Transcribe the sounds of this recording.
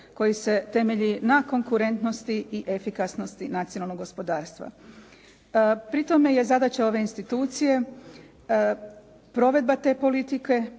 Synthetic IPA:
ko̞jise̞t̪e̞meʎinako̞ŋkuɾe̞nt̪no̞st̪iiʔe̞fikasno̞st̪inat̪sijonalno̞ɡo̞spo̞d̪aːɾst̪ʋa̰ | pɾit̪o̞me̞je̞zad̪at͡ɕeo̞ʋe̞inst̪it̪uːt̪sije̞ | pɾo̞ʋe̞d̪̚bat̪e̞ːpo̞lit̪ike̞

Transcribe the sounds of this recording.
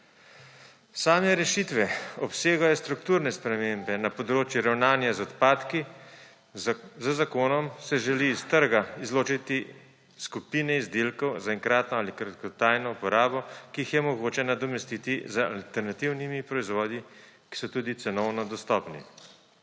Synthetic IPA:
saːmɛɾɛʃit̪ʋɛɔpseːɡajɔst̪ɾukt̪uːɾnɛspɾɛmeːmbɛnapɔd̪ɾoːt͡ʃjuɾawnaːnjazɔt̪paːt̪ki | zəzakoːnɔmsɛʒɛliːst̪əɾɡaizloːt͡ʃit̪i | skupiːnɛizd̪elkɔwzaɛŋkɾaːt̪nɔalikɾat̪kɔt̪aːjnɔupɔɾaːbɔkiixjɛmɔɡoːt͡ʃɛnad̪ɔmɛst̪it̪izəa̰lt̪ɛɾnat̪iwnimipɾɔizʋɔːd̪i | ki̥sɔt̪uːd̪it̪sɛnɔwnɔd̪ɔst̪ɔːpnḭ

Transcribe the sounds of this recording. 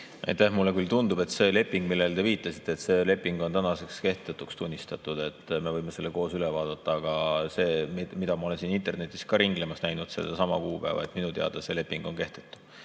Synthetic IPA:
ʔɑ̰jt̪ːˑæhmulːekylt̪und̪ub̥e̞t̪se̞ːle̞pːˑiŋɡ̥̚milːe̞lt̪e̞viːt̪ːˑɑsi̥t̪ːˑeːt̪se̞ːle̞pːˑiŋɡ̥ont̪ænɑse̞kske̞ht̪et̪ːukst̪unʲːist̪ɑt̪ˑud̪̥e̞t̪ːme̞vɤjmese̞lːeko̞ːsylɛvɑːd̪̥ɑt̪ːɑːɡ̥ɑse̞ːmid̪ɑmɑole̞nsinint̪ˑe̞rne̞t̪ːˑiskɑɾiŋɡ̥lemɑsnæjnud̪̥seld̪ɑsɑmɑ̰kuːpæ̰evɑ̰ḛt̪ˑminut̪e̞ɑ̰d̪̥ɑse̞le̞pːˑiŋɡ̥o̞nke̞ht̪e̥t̪ːˑu̥

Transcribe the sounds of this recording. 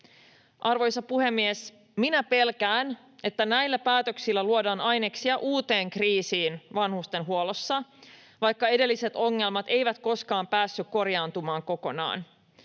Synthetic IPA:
ʔɑrʋo̞jsɑpuhe̞mːies | minæpe̞lkæːn | e̞t̪ːænæjlːæpæːt̪øksilːæluodɑːnɑjneksiɑʔuːt̪e̞ːŋkriːsiːnʋɑnhust̪enɦuolosːɑ | ʋɑjkːɑe̞de̞lːise̞t̪o̞ŋːe̞lmɑt̪e̞jʋæt̪ko̞skɑːmpæːsːykkːo̞rjɑːnt̪umɑːŋko̞ko̞nɑ̰ːn

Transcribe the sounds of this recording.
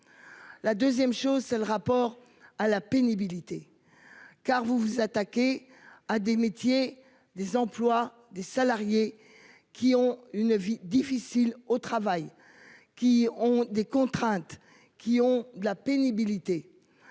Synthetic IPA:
lad̪øzjɛmʃozsɛləʁapɔʁ | alapenibilit̪e | kaʁvuvuzat̪akʲe | ad̪emet̪je | d̪ezɑ̃plwa | d̪esalaʁje | kʲʰiɔ̃ynvid̪ifisilot̪χavaj | kʲiɔ̃d̪ekɔ̃t̪χɛ̃t̪ | kʲiɔ̃d̪əlapenibilit̪e

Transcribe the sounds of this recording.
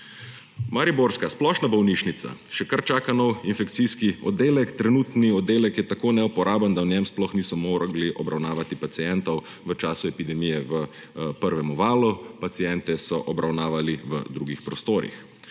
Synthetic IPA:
maɾiboːɾskasplɔːʃnabɔwniʃnit̪sa̰ʃɛkaɾt͡ʃaːkanɔwinfɛkt̪siskiɔ̰d̪eːlɛkt̪ɾɛnuːt̪niɔd̪ːeːlɛkjɛt̪akoːnɛupɔɾʔaːband̪aɔnjɛmsplɔxniːsɔmoːɾɡliʔɔbɾawnaːʋat̪ipat̪sijɛnt̪ɔw | ʋət͡ʃaːsuɛpid̪ɛmiːjɛʋə | pəɾʋɛmɔʋaːlupat̪sijɛnt̪ɛsɔʔɔbɾʔawnaːʋaliʋə̰d̪ɾuɡixpɾɔst̪oːɾḭx

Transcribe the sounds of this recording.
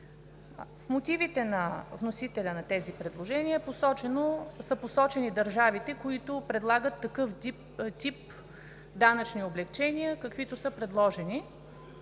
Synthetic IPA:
fmot̪ivit̪ɛnɐvnosit̪ɛlʲənɐt̪ɛzipɾɛd̪lˠoʒɛniəposɔt͡ʃɛnosəposɔt͡ʃɛnid̪ɐɾʒavit̪ɛkoit̪ʊpɾɛd̪lˠaɡət̪ːɐkɤf | t̪ʲip̚ | d̪anɐt͡ʃnioblɛkt͡ʃɛniəkəkvit̪ʊsɤpɾɛd̪lˠɔʒɛni

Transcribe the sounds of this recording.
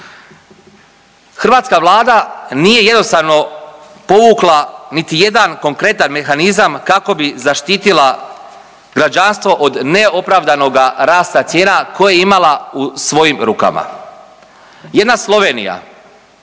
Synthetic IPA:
xr̩ʋaːt̪skaʋlˠaːd̪anije̞je̞d̪no̞st̪aʋno̞ | po̞ʋuːklˠanit̪ije̞d̪anko̞ŋkɾe̞t̪anme̞xanizamkako̞bizaʃt̪iːt̪ilˠa | ɡɾad͡ʒanst̪ʋo̞ʔod̪ne̞o̞pɾaʋd̪ano̞ɡaɾaːst̪at̪sje̞ːnako̞jajeimalausʋo̞jimɾuːka̰ma̰ | je̞d̪naslˠo̞ʋe̞ːnḭja̰

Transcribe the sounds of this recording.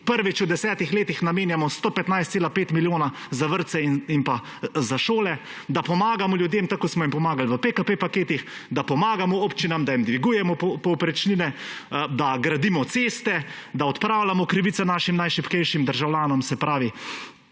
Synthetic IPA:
pəɾʋit͡ʃud̪ɛsɛːt̪ixleːt̪ixnameːnjamɔst̪oːpɛt̪najst̪seːlapeːt̪miljoːna | zaʋəɾt̪sɛimpa | zaʃoːlɛ | d̪apɔmaːɡamɔljud̪jemt̪akoːsmɔimpɔmaːɡalʋəpekapepakeːt̪ixd̪apɔmaːɡamɔoːpt͡ʃinamd̪aimd̪ʋiɡuːjɛmɔppɔwpɾɛt͡ʃninɛd̪aɡɾad̪imɔt̪seːst̪ɛ | d̪aɔt̪pɾaːwlʲamɔkɾiʋit̪sɔnaːʃimnajʃipkɛjʃimd̪əɾʒawljaːnɔmsɛpɾaːʋi

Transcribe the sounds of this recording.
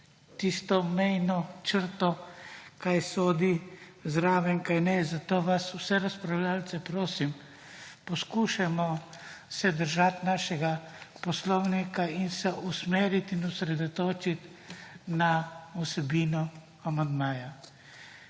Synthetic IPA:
t̪ist̪ɔmɛjnɔt͡ʃəɾt̪ɔkajsoːd̪izɾaːʋɛŋkajnɛzat̪oːʋaswsɛɾaspɾawlʲalt̪sɛpɾoːsim | pɔskuːʃamɔsɛd̪əɾʒat̪naːʃɛɡa | pɔslɔwnikainsɛʔusmeːɾit̪inusɾɛd̪ɔt̪oːt͡ʃit̪ | nausɛbiːnɔ | amand̪maːja

